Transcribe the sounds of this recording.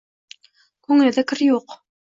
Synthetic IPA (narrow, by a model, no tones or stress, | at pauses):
kʉŋɘ̆lðɘ̆kɘ̆ɾjuq